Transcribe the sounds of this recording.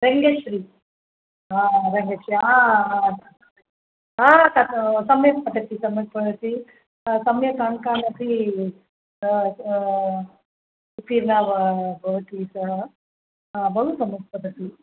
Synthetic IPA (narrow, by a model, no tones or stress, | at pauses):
ɾeŋɡeʂɾi | aːɾeŋɡeʂɾiaː | aːt̪asɐmjɐk̪̚pɐʈɐt̪isɐmjɐk̪pɐʈɐʈi | sɐmjɐkaːɳkaːnɐt̪i | piːɾnaːʋɐbʱoʋɐʈisɐ | abɐɦusɐmjɐt̪̚pɐʈ̪ɐt̪i